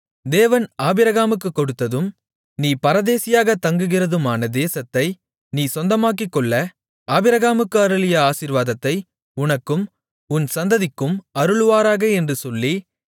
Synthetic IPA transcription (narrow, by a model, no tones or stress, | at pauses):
d̪eːʋɐnaːbɪɾɐɣaːmɯk̬ːɯkːɔɽɯt̪ːɐðɯm | niːpɐɾɐðeːsɪjaːɣɐt̪ɐŋɡɯɣɪrɐðɯmaːnɐd̪eːsɐt̪ːɐɪ | niːsɔnd̪ɐmaːk̬ːɪkːɔɭːɐ | aːbɪɾɐɣaːmɯkːɯɐɾɯɭɪjɐaːsiɾʋaːðɐt̪ːɐɪ | ʊnɐkːɯm | ʊnsɐnd̪ɐðɪkːɯmɐɾɯɭɯʋaːɾaːɣɐɛndrɯsɔlːi